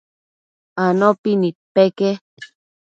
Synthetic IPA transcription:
anopinit̪̚peke

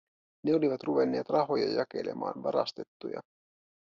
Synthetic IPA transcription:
neoliʋɑt̪ruʋe̞nːe̞ːt̪rɑɦo̞jɑjɑke̞̰le̞̰mʔɑ̰ːnʋɑɾɑst̪e̞t̪ːujɑ̰

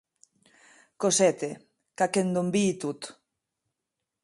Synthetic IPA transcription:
kosɛt̪e | kakend̪ombiːt̪ut̪

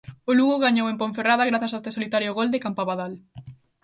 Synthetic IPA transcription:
ʊluɣoɣaɲowempõɱferaðaɣɾaθasaest̪esolit̪aɾjoɣold̪ekampaβaðal

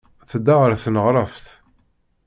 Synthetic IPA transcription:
θd̪aʁəɾθnəʁɾˤɑfθ

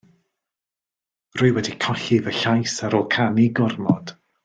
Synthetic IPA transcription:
rʊɨwɛdikʰɔɬɪvəɬajsaɾɔlˠkʰaniɡʊrmɔd̥

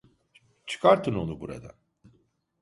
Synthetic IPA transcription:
t͡ʃʰɯ̥kʰaɾt̪ʰɯno̞nubuɾa̰d̪a̰

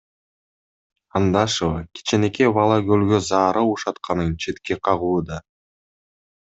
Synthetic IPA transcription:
ɑnd̪ɑʃovɑkʲi̥t͡ʃenekeβɑlˠɑɡølɡøzɑːɾʔɯuʃɑt̪qɑnɯnt͡ʃʰe̞t̪keqʰɑʁuːd̪ɑ

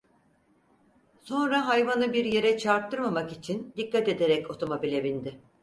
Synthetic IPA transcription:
so̞nɾaɦajvanɯbiɾje̞ɾɛt͡ʃʰaɾt̪ʰːɯɾmamakit͡ʃʰind̪ikʰːat̪e̞d̪e̞ɾɛco̞t̪ʰo̞mo̞bilʲebind̪ɪ

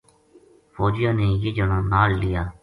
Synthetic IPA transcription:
foːd͡ʒɪjãːneːjeːd͡ʒəɽ̃ãːnaːlːɪjaː

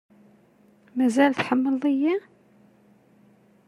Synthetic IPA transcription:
mæzælθħəmːəlˤijːæ

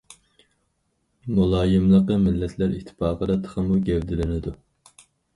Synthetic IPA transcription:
mulˠɑːjɨmlˠəqəmɪlːɛt̪ʰlæɾḭt̪ʰːɪ̥pʰɑːqəd̪ɑt̪ʰə̥χəmuɡʲɛwd̪ɪlɪnɪd̪u

